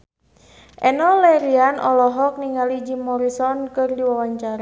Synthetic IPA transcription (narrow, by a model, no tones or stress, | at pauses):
ʔɛnɔlɛɾianɔlɔɦɔk̚niŋalid͡ʒimɔɾisɔnkɨrdiwawaɲt͡ʃaɾa